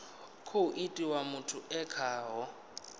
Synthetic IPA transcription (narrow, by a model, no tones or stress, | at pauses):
kʰouʔitʼiwamʊtʰʊʔɛkʰaːɦɔ